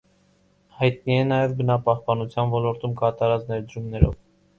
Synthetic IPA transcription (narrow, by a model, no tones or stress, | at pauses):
hɑjt̪̚niɛnɑjɛvbənɑpɑhpɑnut͡sʰjɑnvɔlɔɾt̪umkɑt̪ɑɾɑt͡snɛɾd̪əɾumnɛɾɔ̰v